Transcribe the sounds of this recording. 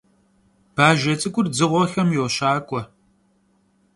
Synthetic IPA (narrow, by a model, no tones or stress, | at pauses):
b̥aːʒɐt͡sʼɨkʷʼʊrd͡zɨʁʷɔxɐmjoːɕaːkʷʼɔ